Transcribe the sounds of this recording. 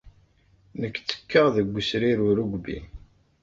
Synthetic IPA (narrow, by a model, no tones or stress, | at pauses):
nəkːt͡sːə̥kːəʁðəɡʷːəsɾiɾʊɾuɡʷbḭ